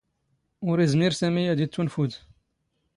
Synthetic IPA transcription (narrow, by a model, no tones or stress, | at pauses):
ʊɾizmiɾsæmijæd̪it͡s̪ːunfud̪